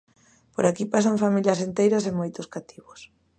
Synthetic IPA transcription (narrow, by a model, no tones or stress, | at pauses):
poɾakipas̬aɱfamiljɐsent̪ejɾɐsemojt̪ʊskat̪ʰiβʊs